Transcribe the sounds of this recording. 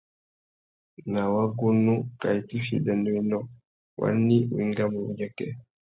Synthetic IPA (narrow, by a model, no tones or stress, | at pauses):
nawaɡunːukajtifḭdɛndɔinɔ | wʔa̰nːiwiŋɡamwud͡ʒakɛ